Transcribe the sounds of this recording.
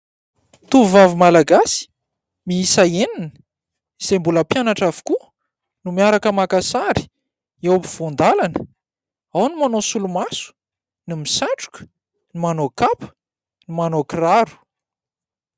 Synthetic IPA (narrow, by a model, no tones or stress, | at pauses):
t̪uvavumalaɡasi̥ | miisaeninə̥ | iz̥embuləpjanaʈ͡ʂavu̥ku | numiaɾakəmakasaɾi̥ | ewpiv̥ond̪alanə | awnimanosulumasu̥ | nimisaɳʈ͡ʂu̥kə̥ | nimanokapə̥ | nimanokraɾu̥